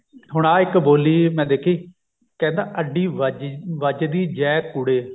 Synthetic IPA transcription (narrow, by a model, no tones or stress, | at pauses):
ɦʊɽ̃ãːɪkboːliːmɛ̃ːd̪eːkʰiː | kɛ̃ːnd̪aːʔəɖiːd͡ʒʋəd͡ʒd̪iːd͡ʒɛːkːʊɽeː